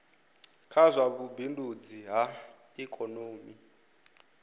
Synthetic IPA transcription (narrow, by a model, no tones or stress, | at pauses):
kʰazʷaβubindʱud͡ziɦa | ikʼɔnoːmi